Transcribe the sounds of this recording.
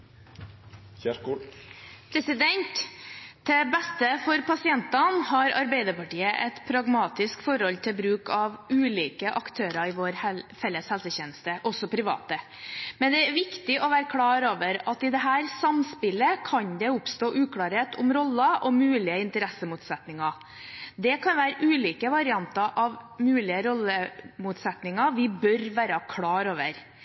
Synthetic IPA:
ækː | pʰɾɛsɪd̪ɛnt̪d̪ɛbɛst̪əfɔɾpʰɑsɪɛnt̪ɑnhɑɾɑ̰ɾbɛɪd̪əɾpɑʈiːəʔɛt̪pʰɾɑɡmɑːt̪ɪskfɔɾhɔlt̪ʰɪlbɾʉːkɑʋʉːliːkəʔɑkt̪ʰøːɾɑɪʋoːɾhɛfɛlːəshɛlsəçɛːnəst̪əʔɔsɔpʰɾɪʋɑ̰ːt̪ə | mɛnd̪ɛæɾʋɪkt̪ɪʔɔʋæːɾəkʰlɑːɾoːʋəɾɑt̪ɪd̪ɛɦæːɾsɑmspɪlːəkʰɑɲd̪ɛʊpst̪oːʔʉːkʰlɑːɾheːt̪ʊmɾɔlːəʔɔmʉːlɪəɪnt̪əɾɛsəmuːt̪sɛt̪nɪŋɑ | d̪ɛkʰɑnʋæːɾəʔʉːliːkəʋɑɾɪɑnt̪ɑʔɑʋmʉːlɪəɾɔlːəmuːt̪sɛt̪nɪŋɑʋɪbœɾʋæːɾəkʰlɑːɾoːʋəɾ

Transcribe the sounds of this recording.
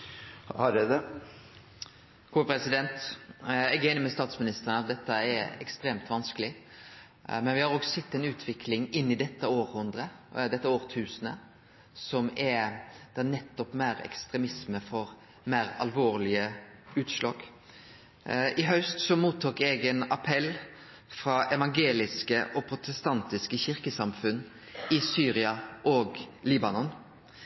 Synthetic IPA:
hɑɖɛd̪ɛ | kʰuːpʰɾɛsɪd̪ɛnt̪ | ɛɡɛɪnəmɛst̪ɑːt̪smɪnɪst̪əʁənɑt̪̚d̪ɛt̪ːəɛɾɛkst̪ɾeːmt̪ʋɑnskəlɪ | mɛnʋɪhɑɾoːɡsɛt̪ːɛɪnʉːt̪ʰʋɪkʰlɪŋɪnːɪd̪ɛt̪ːəoːɾhʊnd̪ɾəd̪ɛt̪ːəoːɾt̪ʰʉːsənə | sɔmɛd̪̥ɛːnɛt̪ːɔpmæːɾɛ̰kst̪ɾɛmɪsməfɔɾ | mæːɾɑ̰lʋoːɾlɪəʉːt̪ʃlɑːɡ | ɪɦœʉst̪sɔmuːt̪ʰːuːkɛɡɛnɑpʰɛl | fɾɑːɛʋɑŋɡeːlɪskəʔɔpʰɾʊt̪ɛst̪ɑnt̪ɪskəçɪɾkəsɑmfʉnː | ɪsyːɾɪɑʔoːɡliːbɑnɔn

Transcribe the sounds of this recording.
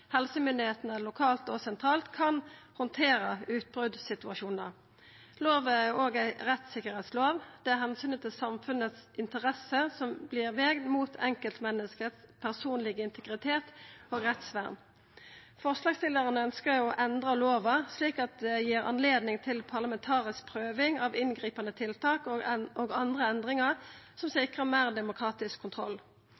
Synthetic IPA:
hɛlsəmʏnd̪ɪheːt̪ənəlʊkʰɑːlt̪ɔsɛnt̪ʰʁɑːlt̪kʰɑnhɔnt̪ʰeːʁəʉːt̪̚bʁʉd̪sɪt̪ʉɑʃuːnəʁ | loːʋəæoːɡæɪʁɛt̪sɪkːəʁhɛːt̪sloːʋd̪̥ɛæʁhɛnsyːnət̪ʰɪlsɑmfʉnət̪sʔɪnt̪əʁɛsəsɔmblɪʁʋeːɡnmuːt̪ʰɛŋkəlt̪mɛnːəskəspʰæʁsuːnlɪɡəɪnt̪ʰəɡʁɪt̪ʰeːt̪oːɡʁɛt̪sʋæ̰ːʁn | fɔʁslɑːɡst̪ɪld̪əʁənəœnskəɾɔʔɛnd̪ʁəloːʋɑsliːkɑt̪̚d̪ɛjiːʁɑ̰nleːd̪nɪŋt̪ʰɪlpʰɑʁlɑmɛnt̪ʰɑːʁɪsk̚pʰʁøːʋɪŋɑʋɪnɡʁiːpɑnət̪ʰɪlt̪ʰɑːkoɡɑnd̪ʁəɛnd̪ʁɪŋɑʁsɔmsɪkʁəmæːʁd̪ɛmʊkʰʁɑːt̪ɪskʰːʊnt̪ʰʁɔlː

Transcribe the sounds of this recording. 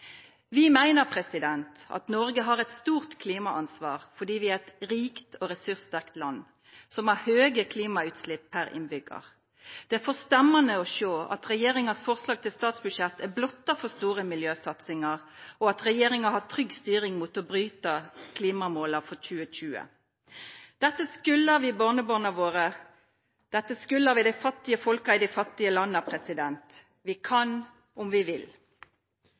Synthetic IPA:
ʋɪmæɪnəʁpʰʁɛsɪd̪ɛnt̪ɑ̰t̪nɔɾɡəɦɑʁɛt̪st̪uːʁt̪kʰliːmɑʔɑnsʋɑːʁfɔɖiːʋɪæɾɛt̪ɾiːkt̪ɔɾɛsʉʁsd̪ækt̪lɑnː | sɔmɑɾhøːɡəkʰliːmɑʉːt̪slɪpʰːpæɾɪ̰nbʏɡɑ̰ʁ | d̪̥ɛæfɔst̪ɛmːɑnəɔʃoːʔɑ̰t̪ʁɛjeːɾɪŋɑsfɔʁslɑːɡ̚t̪ʰɪlst̪ɑːt̪sbʉʂjɛt̪ʰːæblɔt̪ːɑfɔst̪uːʁəmɪljøːsɑt̪sɪŋɑʁɔɑt̪ʁɛjeːɾɪŋɑhɑt̪ʰɾʏɡst̪yːʁɪŋmuːt̪ɔbʁyːt̪əkʰliːmɑmoːlɑfɔc͡çʉːəɕʉːə̰ | d̪̥ɛt̪ːəskʉlːəʋɪbɑʁnəbonɑʋoːʁə | d̪̥ɛt̪ːəskʉlːəɾʋɪd̪æɪfɑt̪ːɪəfɔlkɑɪd̪æɪfɑt̪ːɪəlɑnːəpʰʁɛsɪd̪ɛnt̪ | ʋɪkʰɑn | ʊmʋɪʋɪl

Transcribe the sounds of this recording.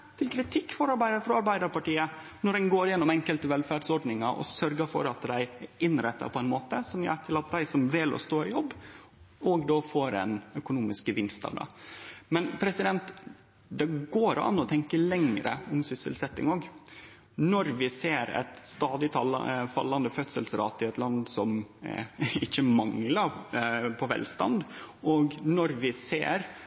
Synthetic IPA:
t̪ʰɪlkʰɾɪt̪ʰɪkːfɔɾɑbæfɾɑɾbæɪd̪əɾpɑʈiːə | nɔɾɛnɡoːɾjɛnːɔmɛŋkəlt̪əʋɛlfæːɖsɔɾɖnɪŋɑʔɔ̰sœɾɡəɾfɔ̰ɾɑt̪d̪æɪɪnɾɛt̪ːə̰pʰɔɛɪnmoːt̪əsɔmjø̰ːʈ̪ʰɪlɑt̪̚d̪æɪsɔmʋɪlɔ̰st̪oːɪjɔbː | ɔɡd̪oːfoːɾɛ̰nœkʊnuːmɪskəʋɪnst̪ɑ̰ʋd̪ɛ̰mɛnpʰɾɛsɪd̪ɛnt̪ | d̪ɛɡoːɾɑ̰nːɔt̪ʰɛŋkəlɛŋɾə̰ɔmsʏsə̰lsɛt̪ːɪ̰ŋoːɡ | nɔɾʋɪseːɾɛ̰t̪st̪ɑːd̪ɪt̪ʰɑl̰fɑ̰lːɑnd̪əfœt̪səlsəɾɑ̰ːt̪ʰːɪɛt̪lɑnd̪sɔm | ɪçːəmɑŋləpʰɔʋɛ̰lst̪ɑ̰nd̪ʔɔɡnɔɾʋɪsḛːɾ

